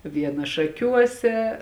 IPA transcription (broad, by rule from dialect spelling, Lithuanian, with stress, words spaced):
ˈʋʲiɛnɐ ʃɐˈkʲuɔsʲɛ